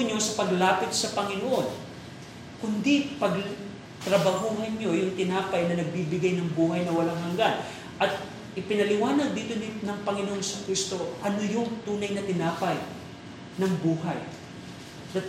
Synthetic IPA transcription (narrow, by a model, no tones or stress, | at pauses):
ɲo̞sɐpɐɡlaːpɪt̪̚sɐpɐŋɪnoʔo̞n | kʊnd̪ipɐɡ | t̪ɾɐbɐhuːɦɐnɲo̞jʊŋt̪ɪnaːpɐjnɐnɐɡ̚bibɪɡajnɐŋbuːɦɐjnɐwɐlaŋɦɐŋɡan | ʔɐt̪̚ | ʔɪpɪnɐlɪwaːnɐd̪̚d̪iːt̪onɪnɐŋpɐŋɪnoʔonsɐkɾist̪o̞ʔɐnojʊŋt̪uːnɐjnɐt̪ɪnaːpɐj | nɐŋbuːɦaj | d̪a